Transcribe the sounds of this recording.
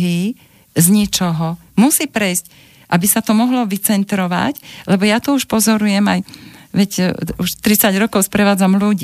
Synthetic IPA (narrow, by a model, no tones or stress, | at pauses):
ɦi | zɲit͡ʃɔɦɔ | musiːpɾɛjsc | ʔabisat̪ɔmɔɦlɔʋit͡sɛnt̪ɾɔʋa̰clɛbɔjat̪ɔuʃpɔzɔɾujɛmajʋɛcuʃt̪ɾit͡saɟɾɔkɔʊspɾɛʋaːd͡zamluɟiː